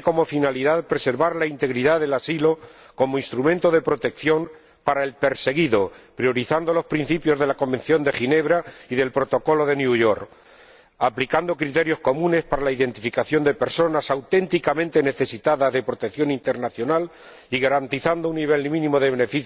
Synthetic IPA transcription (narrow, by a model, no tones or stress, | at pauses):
ko̞mo̞finaliðaðpɾe̞se̞ɾβaɾlaint̪e̞ɣɾiðaðe̞lasilo̞ko̞moinst̪ɾumẽnt̪oð̞e̞pɾo̞t̪e̞kθjo̞m | paɾae̞lpe̞ɾse̞ɣiðo̞pɾjo̞ɾiθand̪o̞lo̞spɾin̟θipjo̞zðe̞lako̞mbe̞nθjo̞nd̪e̞xine̞βɾaiðe̞lpɾo̞t̪o̞ko̞lo̞ð̞e̞njuʝo̞ɾk | aplikand̪o̞kɾit̪e̞ɾjo̞sko̞mũne̞spaɾalaiðe̞nt̪ifikaθjo̞nd̪e̞pe̞ɾso̞nasawt̪e̞nt̪ikamẽnt̪e̞ne̞θe̞sit̪aðazðe̞pɾo̞t̪ekθjo̞nint̪e̞ɾnaθjo̞nal | iɣaɾant̪iθand̪ounːiβ̞e̞lmĩnĩmo̞ðe̞βenefiθ